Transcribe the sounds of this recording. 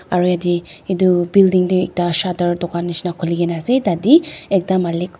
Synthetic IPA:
aɾujadiːdubildiŋduek̚dasadɐɾdɔkanːisnakʰuliɡenasedadiek̚damalik

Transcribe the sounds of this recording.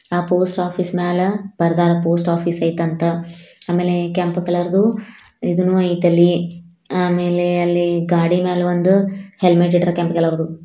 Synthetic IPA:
aːpoːsʈaːpʰiːsmaːlɐbɐɾd̪aːɾɐpoːsʈaːpʰiːsɐjit̪ɐnt̪ɐaːmeːlekempkɐlɐɾd̪u | id̪unuːɐjt̪ɐlːi | aːmeːleɐlːiɡaːɽimeːlɐʋond̪uhelmeʈːiʈɐɾkʲempkɐlɐɾd̪u

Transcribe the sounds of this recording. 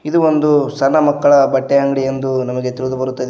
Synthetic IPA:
id̪uond̪usɐnːɐmɐkːɐɭɐbɐʈːeɦɐŋɡɐɭijend̪unɐmɐɡe̞t̪iɾud̪ubɐɾut̪ːɐd̪e

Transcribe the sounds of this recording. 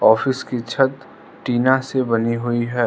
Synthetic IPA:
ɔːfɪskit͡ʃʰɐt̪ | ʈiːnasebɐniɦʊiɦɛː

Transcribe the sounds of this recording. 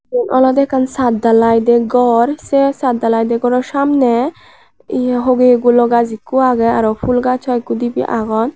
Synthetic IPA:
ɛnʔɔ̰lɔd̪ɛkansad̪alajd̪ɛɡɔɾsɛsad̪alajd̪ɛɡɔɾɔɾsamnɛ | iɛɦoɡeeɡulɔɡazikːuaɡɛaɾɔpʰulɡat͡ʃʰɔjkːud̪ibḭʔa̰ɡɔn

